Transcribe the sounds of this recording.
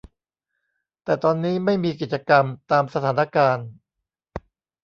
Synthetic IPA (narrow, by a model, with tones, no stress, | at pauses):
t̪ɛː˨˩t̪ɔː˧nːiː˦˥ma˥˩jmiː˧ki˨˩t̪̚t͡ɕa˧ka˧mt̪aː˧msa˧t̪ʰaː˩˦na˥˧kaː˧n